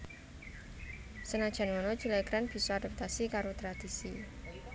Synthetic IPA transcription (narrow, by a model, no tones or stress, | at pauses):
sənad̥ʒ̥a̤nŋɔnɔ̥d͡ʒ̥ileɡɾanb̥i̤soad̥a̤p̚t̪asikaɾot̪ɾad̪̥isi